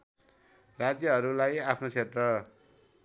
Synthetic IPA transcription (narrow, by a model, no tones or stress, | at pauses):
rad͡zjʌɦʌɾulajapʰnot͡sʰet̪rʌ